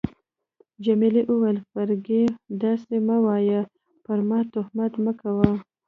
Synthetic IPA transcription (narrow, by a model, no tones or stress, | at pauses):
d͡ʒamiliʔuwalfaɾɡed̪ɑsemawɑja | pəɾmɑt̪ʊhmat̪məkawa